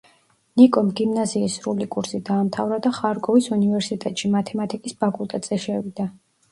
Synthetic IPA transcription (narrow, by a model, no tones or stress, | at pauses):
nikʼɔmɡimnaziːsɾulikʼuɾsid̪aːmt̪ʰavɾad̪aχaɾɡɔvisunivɛɾsit̪ʼɛt̪ʼʃimat̪ʰɛmat̪ʰʼikʼispʰakʼulˠt̪ʼat̪z̥ɛʃɛvid̪̥a